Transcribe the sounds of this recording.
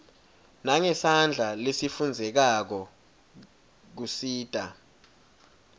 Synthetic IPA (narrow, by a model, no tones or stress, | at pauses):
naŋɛsand͡ɮʱalesifund͡zʱɛk̬ak̬ɔ | k̬usiːd̥ʼʱa